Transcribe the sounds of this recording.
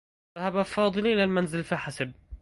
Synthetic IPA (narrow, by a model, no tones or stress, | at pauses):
ahabafɑːd̪ˤɨlʔɪlalmanzɪlfiħasab̚